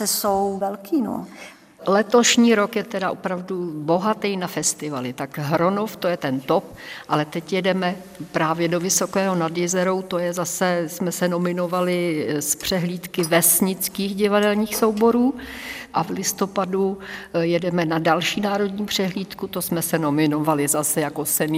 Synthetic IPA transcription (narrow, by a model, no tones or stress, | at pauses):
ɛsowvɛlkiːno̰ | lɛt̪o̞ʃɲiːɾo̞kjɛt̪ɛdaʔopɾavdubo̞ɦat̪ɛjnafɛst̪ɪvalɪt̪akɦɾonoft̪o̞jɛt̪ɛnt̪op̚ | ʔalɛt̪ɛcjɛdɛmɛ | pɾaːvjɛdo̞vɪso̞kɛːɦo̞nadjɛzɛɾowt̪o̞jɛzasɛsmɛsɛno̞mɪno̞valɪspr̝̥ɛɦliːt̪kɪvɛsɲɪt͡skiːxɟɪvadɛlɲiːxso̞wbo̞ɾuːʔavlɪst̪o̞padujɛdɛmɛnadalʃiːnaːɾo̞dɲiːmpr̝̥ɛɦliːt̪kut̪osmɛsɛno̞mɪno̞valɪzasɛjakosɛn